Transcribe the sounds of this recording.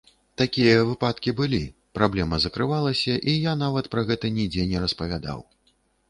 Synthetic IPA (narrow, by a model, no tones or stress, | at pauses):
t̪akʲijɐvɨpat̪kʲibɨlʲi | pɾablʲɛmɐzɐkɾɨvalˠɐsʲɐʔijanavɐt̪pɾɐɣɛt̪ɐnʲid͡zʲɛnʲɛɾɐspɐvʲad̪a̰w